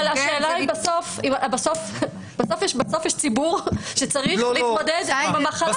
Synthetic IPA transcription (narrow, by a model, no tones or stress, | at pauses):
laʃeːlaibaso̞fimbaso̞f | baso̞fjɛʃbaso̞fjɛʃt͡sibuʁʃet͡saʁiliod̪ed̪imamaχa